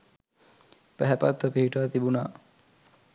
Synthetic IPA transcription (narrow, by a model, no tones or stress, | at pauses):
pæɦɛpat̪ːəpiɦiʈaːt̪ibunaː